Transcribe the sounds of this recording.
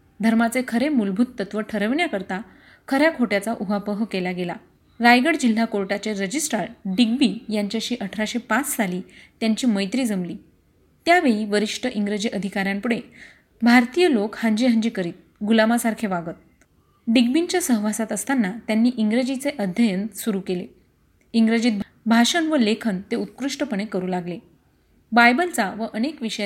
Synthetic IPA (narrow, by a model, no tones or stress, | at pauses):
d̪ʱəɾmat͡sekʰəɾemulbʱut̪ːət̪ʋəʈʰəɾəʋɳjakəɾt̪a | kʰəɾjakʰoʈjat͡saʔuɦapəɦkelaɡela | ɾajɡəɽd͡ʑil̤ːakoɾʈat͡seɾəd͡ʑisʈɾaɾɖiɡ̚bijaɲt͡ɕjaɕiːʔəʈʰɾaɕepat͡ssaliːt̪jaɲt͡ɕiːməjt̪ɾiːd͡zəmliː | t̪jaʋeɭiːʋəɾiʂʈʰəʔiŋɡɾed͡ʑiːʔəd̪ʱikaɾjãmpuɽe | bʱaɾt̪ijəlokhaɲd͡ʑiɦəɲd͡ʑikəɾiːt̪̚ɡulamasaɾkʰeʋaɡət̪̚ | ɖiɡ̚biɲt͡ɕjasəɦʋasat̪əst̪anːat̪janːiːʔiŋɡɾed͡ʑit͡seʔəd̪ʱjəjənsuɾuːkelḛ | iŋɡɾəd͡ʑiːt̪̚b | bʱaʂənʋəlekʰənt̪eut̪̚kɾuʂʈəpəɳ̃ekəɾuːlaɡle | bajbəlt͡saʋəʔənekʋiʂə